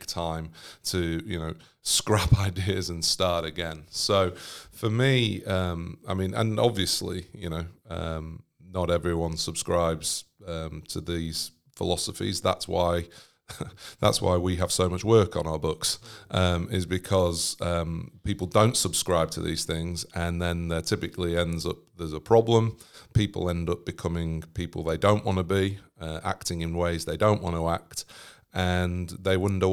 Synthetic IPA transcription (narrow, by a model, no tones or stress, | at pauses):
k̚tʰãɪ̃mtʰɨjɨ̰noʊ | skɹapʰaɪdɪəzə̃nstɑɹɾɨɡɛ̃nsoʊfəmiʌ̃maɪmĩnə̰̃nɑbviəslḭjɨ̰ñoʊʌ̰̃m | nəɾɛvɹiwʌ̃nsəb̥skɹaɪbz̥ʌ̃mtʰəðiz̥ | fɪ̰lɒsəfḭzða̰tswa̰ɪ | ða̰tswa̰ɪwiəv̥soʊmʌt͡ʃwɜˑ˞kn̩aʊə˞bʊksʔʌ̃mɪzbɨkʰɒz̥ʌ̃mpʰipl̩ˠdõʊ̃ntsəb̥skɹaɪb̚tʰə̰ðḭz̥θɪ̃ŋzə̃nðə̃nðətʰɪpɨkʰliɛ̃ndzʌ̰p̚ðəzəpʰɹ̥ɒblə̃mpʰipə̰l̩ˠɛ̃ndʌp̚b̥ɨkʰʌmɪ̃ŋpʰipl̩ˠðeɪdõʊ̃nʔwʔɑ̃nəbiʌʔa̰k̚tɪ̃ŋɨ̃nweɪzðeɪdõʊ̃nʔwʔɑ̃nəak̚t | ə̃nðeɪwʌ̃ndə